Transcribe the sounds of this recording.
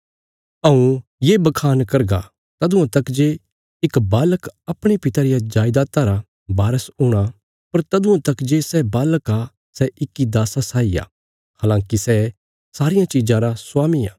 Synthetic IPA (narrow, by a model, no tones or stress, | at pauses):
ɐũjeːbɐkʰaːnkɐɾɡa̰ | t̪ɐd̪ũãt̪ɐkd͡ʒe | ɪkbaːləkɐpɽ̃ipɪt̪aːɾɪjad͡ʒaːɪd̪aːt̪aɾa | baːɾəsʊɽ̃a | pɐɾt̪ɐd̪uãt̪ɐkd͡ʒesɛbaːləka | sɛʔɪkːid̪aːsasaːija̰ː | haːlãːkisɛ | saːɾɪjãt͡ʃɪd͡ʒãɾasʊwaːmija̰ː